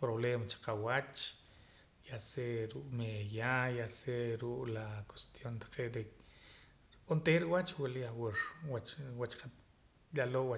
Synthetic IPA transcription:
pɾoβleːmat͡ʃe̥qawat͡ʃ | jaseɾuʔʼmejajaseɾuʔlako̥st̪jont̪ḁqʰeʔɾe | ont̪eɾiwat͡ʃwaliawiɾwawat͡ʃqʰat̪ | jalowa

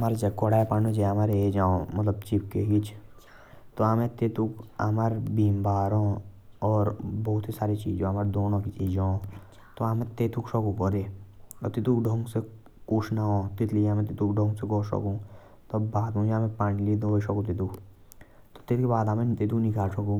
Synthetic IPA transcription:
maːɾed͡ʒɐkoɽaːepanõd͡ʒeɦɐmaːɾeed͡ʒaːõmɐt̪ləb̚t͡ʃipkḛkit͡ʃʰ | t̪oamẽt̪eːt̪uka̰maːɾbiːmbaːɾõɔːɾbɔɦʊt̪isaːɾit͡ʃḭːd͡ʒõɐmaːɾd̪oːnõkit͡ʃiːd͡ʒoõ | t̪oaːmẽt̪eːt̪uksɔkukɔɾeɔ̰t̪it̪ukɖʱõŋɡse | kuːʃnaɦot̪ɪt̪liamẽt̪̬it̪ukɖʱõːŋɡseɡoːʃɔ̰kũ | t̪obaːd̪ũd͡ʒaːmẽpaːñilid̪oːiʃɔkũt̪̬et̪uk | t̪o̥t̪et̪kebaːd̪aːmẽt̪et̪̬uknĩkaːsʰɔkũ

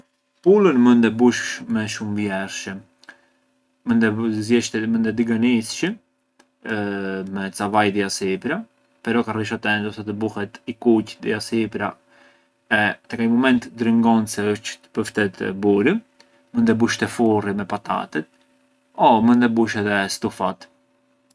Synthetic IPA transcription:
pulənmənd̪ɛbuʃʃmɛʃumvjɛɾʃəm | mənd̪ɛzjɛʃt̪ɛmənd̪ɛd̪iɡanisʃə | mɛt͡savajd̪iasipɾa | pɛɾɔkariʃat̪ɛnd̪ɔsat̪əbuhɛt̪ikucd̪iasipɾa | ɛt̪ɛkaɲmɔmɛnt̪d̪ɾəŋɡɔnsɛəʃtt̪ə̥pəɾft̪ɛt̪buɾi | mənd̪ɛbuʃt̪ɛfurimɛpat̪a̰t̪ɛt̪̚ | ɔmənd̪ɛbuʃɛðɛst̪ufat̪

